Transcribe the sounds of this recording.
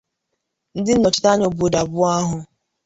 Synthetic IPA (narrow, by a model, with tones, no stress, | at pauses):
n̩˦dɪ˦n̩˦nɔ˨t͡ʃɪ̥˦ta˦ɲo˨bo˨da˨bʊ˦a˦ɦʊ˨